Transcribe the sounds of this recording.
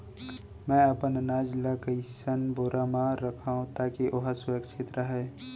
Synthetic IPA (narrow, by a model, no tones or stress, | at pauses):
mɛ̃ːɐpənnaːd͡ʒlakəisənboːɾʔaːmãɾɐkʰaɦũt̪aːkiʔoɦasʊəkʃʰeːt̪ɾəɦɛː